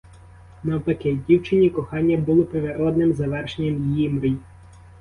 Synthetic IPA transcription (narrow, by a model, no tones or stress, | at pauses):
nɐwpɐkɛdʲiwt͡ʃɪnʲikɔxɑnʲːɐbulˠɔpɾeʋeɾɔd̪nɪmzɐʋɛrʃenʲːɐmjimɾɪj